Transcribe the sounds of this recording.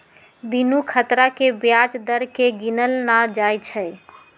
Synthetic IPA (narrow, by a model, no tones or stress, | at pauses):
binukʰət̪ɾakebjad͡ʒd̪əɾkeɡinəlnad͡ʒajt͡ʃʰə